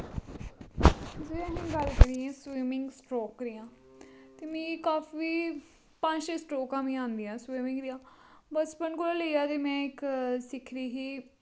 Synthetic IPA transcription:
d͡ʒeəɦĩːɡəlkəɾiɛ̃ːswiːmɪ̃ŋɡsʈɾoːkɾijãː | t̪eːmĩːkaːfiː | pə̃ɲd͡ʒesʈɾoːkãːmĩːãːnd̪ijãːswiːmɪ̃ŋɡɾijãːbəspəɳkʊlaːləiaːt̪eːmɛ̃ːɪksɪkʰɾiːɦiː

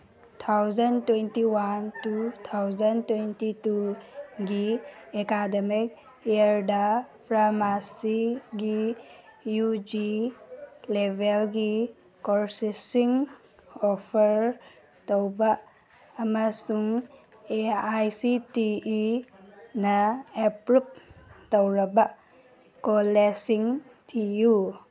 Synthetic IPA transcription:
tʰawzɐntwentiwantutʰawzɐntwentituɡiekademik̚ | eəɾdapʰɾamasiɡi | jud͡ʒi | lebʱelɡi | kɔɾsisiŋ | ɔpʰəɾ | tawbaʔː | masuŋ | eajsitii | naepɾup̚tawɾabaʔ | kolesiŋ | tʰiju

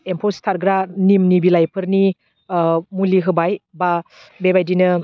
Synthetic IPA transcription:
empʰɔstʰaɾɡɾanimnibilajpʰɯɾni | muliɦɯbajba | bebajdinɯ

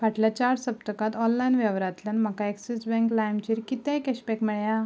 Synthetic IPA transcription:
ʋaʈljat͡ɕaɾsəp̚t̪əkat̪ɔnlajinʋjaʋɾat̪lənmakaeksisbɛ̃ŋklajmt͡ɕiɾkit̪ẽkɛɕpɛkmɛɭja

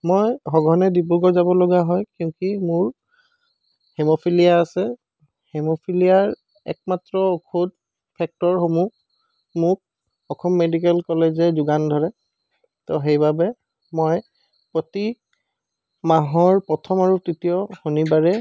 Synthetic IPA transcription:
mojɦɔɡʱɔnɛdip̬uɡɔzabɔlɔɡaɦɔjkiʊ̃kimʊɹ | hemopʰilijaːsɛ | hemopʰilijaɹ | ɛ̰k̚matɹɔokʰud | pʰɛk̚tɔɹxomuk | mʊk̚ | ɔkʰɔmːedik̬ɛlkɔlezɛzʊɡandʱɔɹɛ | tɔɦejbabɛ | moj | pɹoti | maɦɔɹpɹɔtʰɔmaɹutɹitijɔhonibaɹɛ

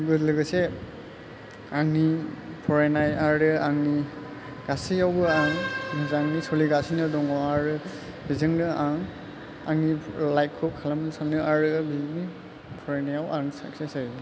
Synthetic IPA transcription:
ɡɯdlɯɡɯse | aŋnipʰɔɹajnajaɾɯaŋni | ɡ̥asiawbɯaŋzaŋnisɔliɡasinɯdɔŋɔaɾɯ | bizɯŋnɯaŋ | a̰ŋnilajkʰɔkʰalamɯnsanɯʔaɹɯbini | pʰɔɾajnajawʔaŋsa̰ksesaz

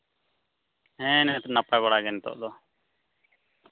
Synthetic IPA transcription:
ɦɛ̃nɛt̪napabaɽaɡɛnt̪ɔ̰ʔd̪ɔ

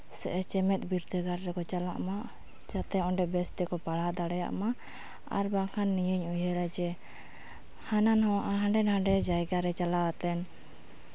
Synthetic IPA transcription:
sɛ̰ʔɛt͡ʃɛmɛt̪̚ˀbiɾd̪əɡaɾɾɛkɔt͡ʃalaʔmaʔ | d͡ʒat̪ɛɔɳɖɛbɛst̪ɛkɔpaɽad̪aɽɛja̰ʔmaʔ | a̰ɾbakʰanːijəɲujɦəɾad͡ʒɛ | hananhɔwaʔaɦãɳɖɛnhãɳɖɛd͡ʒajɡaɾɛt͡ʃalawat̪ɛn

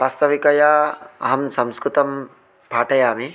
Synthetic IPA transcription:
past̪ɐʋikɐjaːɐ̰ɦɐmsɐmskɾut̪ɐm | paːʈɐjaːmi

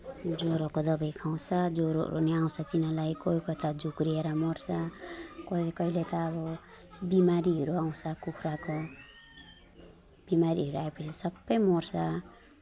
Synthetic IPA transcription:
d͡zoɾʌkod̪ʌbʌjkʰaw̃t͡sʰʌd͡zoɾo̰ɾuneaw̃t͡sʰʌt̪inʌlajkoikʌt̪ad͡zukrieɾʌmʌrsʰakʌkʌɦilet̪ʌːβʌ | bimaɾiɦʌɾuaw̃sʰʌkukʰrako | b̥imaɾiɦʌɾuaepʌt͡sʰisʌbːʌjmʌrsʰa

